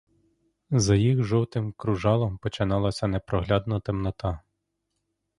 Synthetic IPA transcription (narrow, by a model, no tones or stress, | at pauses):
zɐjixʒɔwt̪ɪmkɾʊʒɑlˠɔmpɔt͡ʃɪnɑlˠɐsʲɐnɛpɾɔɦlʲɑd̪nɐt̪ɪmnɔt̪ɑ